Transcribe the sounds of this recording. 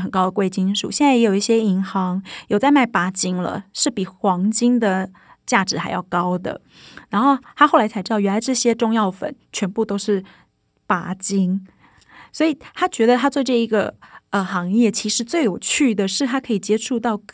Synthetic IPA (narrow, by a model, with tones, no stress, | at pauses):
xə˨˩nkɑ˥ʊd̪ə˨˩kwe˥˩ɪt͡ɕi˥nʂṵ˨˩ɕjɛ˥˧nt͡sa˥˩ɪjɛ˧˥jo˨˩ʊi˥˩ɕjɛ˥i˧˥ŋxɑ˧˥ŋjo˨˩t͡sa˥˧ɪma˥˩ɪpa˧˥t͡ɕi˥ŋlə̰˨ʂɻ̩˥˩pi˨˩xwɑ˧˥ŋt͡ɕi˥ŋd̪ə˨ | t͡ɕja˥˩ʈ͡ʂɻ̩˧˥xa˧˥ɪjɑ̰˥˩ʊkɑ˥ʊd̪ə̰˨ | na˧˥nxo˥˩ʊt̪ʰa˥xo˥˩ʊla˧˥a˧˥ɪʈ͡ʂ̩̪˧˥ɑ˥˩ʊɥlɪʈ͡ʂɤ˥˩ɕjɛ˥ʈ͡ʂʊ˥˧ŋjɑ˥˩ʊfə̰˨˩˦nt͡ɕʰɥɛ˧˥npu˥˧t̪o˥ʊʂɻ̩˥˩ | pa̰˧˥t͡ɕi˥ŋ | swɔ˧˥i˨˩t̪ʰa˥t͡ɕɥɛ˧˥d̪ə˧t̪ʰa˥t͡swʈ͡ʂɤ˥˩i˧˥ɡə̰˩ə˧xɑ˧˥ŋjɛ˥˩t͡ɕʰi˧˥ʂɻ̩˧˥t͡swe˥˩ɪjo˨˩ʊt͡ɕʰy˥˩d̪ə˩ʂɻ̩˥˩t̪ʰa˥kʰɤ˧˥i˨˩t͡ɕjɛ˥ʈ͡ʂʰu˥˧t̪ɑ˥˧ʊ